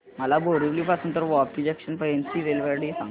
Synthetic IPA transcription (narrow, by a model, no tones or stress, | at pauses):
məlabʱoɽibliːpasuːnt̪əɾʋɔpʈid͡ʑekɕənpəjensiɾelʋaɾɽisã̰ŋ